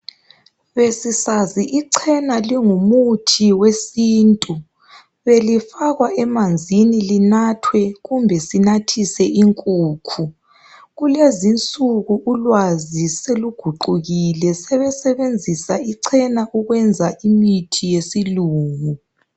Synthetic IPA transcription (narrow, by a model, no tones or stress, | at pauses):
βesisaziʔiǀʰɛnaliŋumutʰiwesiːntʼu | βelifaɣwaɛmand͡zʱinilinatʰwɛɣumbʱɛsinatʰisɛʔiŋkʼuːkʰu | ɣulezint͡sʼuɣuʔulwaziseluɡ̥ʱuǃuɣilɛsɛβɛsɛβend͡zʱisaiǀʰɛnaʔuɣwɛnd͡zʱaʔimitʰijesiluːŋu